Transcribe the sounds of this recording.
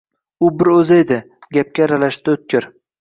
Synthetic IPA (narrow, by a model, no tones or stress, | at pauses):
ʊbɪɾɵzaed̪ɪ | ɡʲap̚kʲaɾalaʃt̪ɪʊt̪̚kʲɪɾ